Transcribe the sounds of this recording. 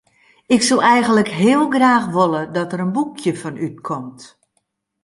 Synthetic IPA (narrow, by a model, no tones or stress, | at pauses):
ɪksulˠɛjɣənləkɦɪəlˠɡraːxʋolˠədɔtəɾənbukʰjəfɔnʔyt̚kʰɔmt